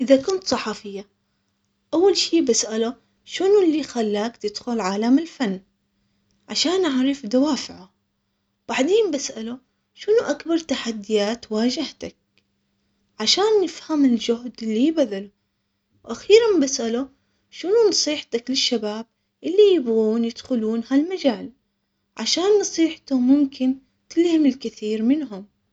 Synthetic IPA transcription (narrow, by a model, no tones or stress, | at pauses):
ʔɪðakʊnt̪sˤɑħɑfɪjːa | ʔawːalʃiːbasʔala | ʃɪnulːixalːaːkt̪ɪd̪̥xʊlʕaːlamɪlfanː | ʕaʃaːnʔaʕɾˤifd̪awaːfɪʕa | b̥aʕd̪eːmbasʔalu | ʃʊnuʔakbɑɾˤt̪aħad̪ːɪjaːt̪waːd͡ʒɪht̪ak̚ | ʕaʃaːnːɪfhamɪld͡ʒʊhd̪ɪlːibaðalʊ | wʔaxiːɾambasʔalʊ | ʃɪnunɑsˤiːħt̪aklɪʃːabaːb̚ | ʔɪlːijɪbɣuːnjɪd̪̥xʊluːnhalmad͡ʒaːl | ʕaʃaːnːɑsˤiːħt̪ʊmʊmkɪn | t̪ɪlhɪmɪlkɪθiːɾmɪnɦʊm